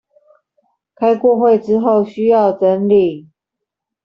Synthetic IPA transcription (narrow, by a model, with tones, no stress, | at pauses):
kʰa˥ɪkwɔ˥˨xwe˥˨ɪʈ͡ʂɻ̩˦˥xo˥˨ʊɕy˥jɑ˥˨ʊʈ͡ʂə˦nli˥˨